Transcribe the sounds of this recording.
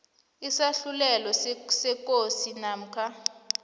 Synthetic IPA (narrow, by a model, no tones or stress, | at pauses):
isaɬulɛlɔsɛkʼosinaːm̩kʰa